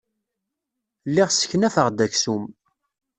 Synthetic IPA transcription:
lːiʁsə̥çnæfəʁd̪æçsum

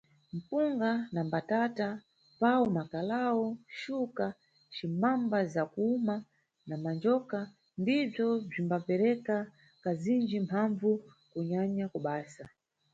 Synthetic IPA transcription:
m̩puŋɡanambatata | pawumakalawɔʃuka | t͡ʃimambazakuuma | namand͡ʒɔka | ndib͡ʐɔb͡ʐimbapɛɾɛka | kazind͡ʒimpʰaɱvu | kuɲaɲakuɓaːsa

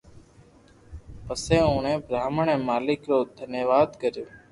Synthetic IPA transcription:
pəsẽːõːnẽːbɾaːməɳẽːmaːlɪkɾoːd̪ʱənjəʋaːd̪kəɾjoː

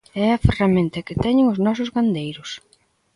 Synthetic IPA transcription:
ɛɐferamẽnt̪ɐkɪt̪ɛɲɪŋʊznɔs̬ʊzɡand̪ejɾʊs

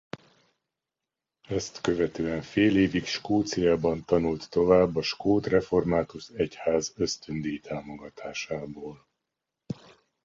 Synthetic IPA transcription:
ɛst̪kø̞vɛt̪øːɛɱfeːleːvikʃkoːt̪sijaːbɒnt̪ɒnult̪ːo̞vaːbːɒʃkoːt̪rɛfo̞rmaːt̪uʃɛchaːzø̞st̪ønd̪iit̪ʰaːmo̞ɡɒt̪ʰaːʃaːboːl

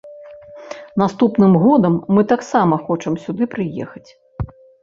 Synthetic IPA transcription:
nast̪upnɨmɣɔd̪ɐmːɨt̪aksamɐxɔt͡ʂɐmsʲud̪ɨpɾɨjɛ̰xɐt͡sʲ

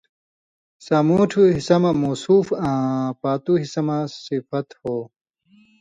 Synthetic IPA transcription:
samuːʈʰuɦisɐmɐmuːsuːfãːpaːt̪uɦisɐmɐsifɐt̪hoː

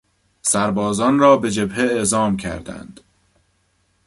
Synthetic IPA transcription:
sæɾbɒːzɒːnrɒːbe̞d͡ʒe̞bheeʔzɒːmcʰæ̰ɾd̪æ̰nd̪̥

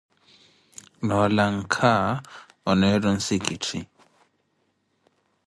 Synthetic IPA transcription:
nɔlaŋ̩kʰa | ɔnɛɾɔn̩sikitʰi

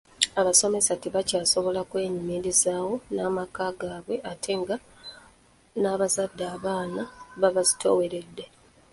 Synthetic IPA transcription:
aβaso̞me̞satiβacaːso̞βo̞lakwe̞ːɲimiɾizaːwo̞naːmakaːɡaːβwe̞ʔatʰe̞ŋɡa | naːβazadːaːβaːnaβaβazi̥tʰo̞we̞ɾe̞dːe̞

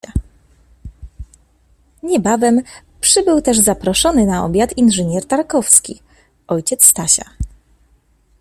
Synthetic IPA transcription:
ɲɛbavɛm | pʂɘbɘwt̪ɛʐzapɾɔʂɔnɘnaɔ̰bʲjat̪inʐɘɲɛɾt̪aɾkɔfskʲi | ɔjt͡ɕɛt̪sst̪aɕa̰

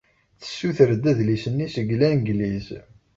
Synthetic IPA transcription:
θə̥sːuθəɾd̪æðlisənːisəɡlænɡliz

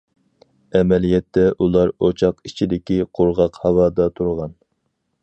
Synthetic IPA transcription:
ɛmɛlijɛt̪ʰːɛʔulˠɑɾot͡ʃʰɑqit͡ʃʰid̪ɪkʲiqʰoɾʁɑqhɑwɑːd̪ɑt̪ʰuɾʁɑn

